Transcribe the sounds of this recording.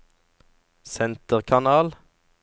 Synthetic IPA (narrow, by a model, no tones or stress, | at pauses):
sɛnt̪əʁkʰɑnɑːl